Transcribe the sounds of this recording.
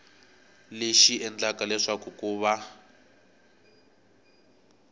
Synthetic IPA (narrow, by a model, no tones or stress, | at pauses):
leʃiɛnd͡ɮakalɛʂakukuːβa